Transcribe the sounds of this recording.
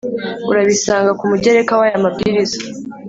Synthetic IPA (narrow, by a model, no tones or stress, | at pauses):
uɾaβisaːŋɡakumuɟeɾe̞kawajamab̚ɡiɾiza